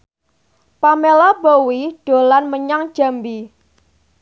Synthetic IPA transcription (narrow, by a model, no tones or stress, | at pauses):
pamelabowiɖ̥o̤lanməɲaŋd̥ʒ̥a̤mbi